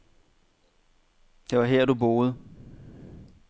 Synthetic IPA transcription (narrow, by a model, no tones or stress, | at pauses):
d̥e̝ʋɑ̈ɦɛɐ̰d̥ubo̝ːð̞̩ˠ